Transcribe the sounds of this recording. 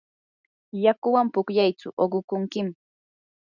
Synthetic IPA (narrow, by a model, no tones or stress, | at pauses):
jakʊwampʊkʎajt͡sʊ̰ʔoɢʊkʊŋkɪm